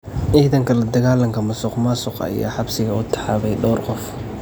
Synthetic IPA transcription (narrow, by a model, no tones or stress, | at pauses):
ʔiːðɐŋkʰɐlɐd̪ɐɣaːlɐŋkʰɐmɐsʊqmɐsʊqɐ̰ja̰ːħɑbsɪɣɐʊt̪ʰɑ̥ħaːβɛjɖɔːrqɔf